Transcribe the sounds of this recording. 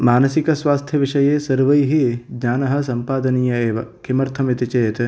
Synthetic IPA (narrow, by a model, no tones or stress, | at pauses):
maːnɐsikɐsʋaːst̪ʰjɐʋiʂɐjeːsɐɾʋɐjɦid͡ʒɲaːnɐɦɐ̆sɐmpaːd̪ɐniːjɐeːʋɐkʰimɐɾt̪ʰɐmit̪it͡ʃeːt̪